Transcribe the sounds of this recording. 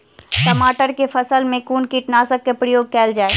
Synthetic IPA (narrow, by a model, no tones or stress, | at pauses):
ʈɐmaːʈəɾkefʰəsəlmẽkuːɳkiʈnaːsəkːepɾəjoːɡ̚kɛːld͡ʒaːe